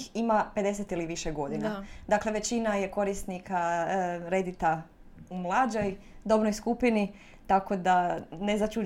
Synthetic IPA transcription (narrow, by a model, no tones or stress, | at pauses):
imape̞d̪e̞set̪iliʋiʃeɡo̞d̪inad̪akle̞ʋet͡ɕinaje̞ko̞ɾist̪nikaɾe̞d̪it̪a | umlˠad͡ʒojd̪o̞bnojskupini | t̪ako̞d̪anezat͡ʃu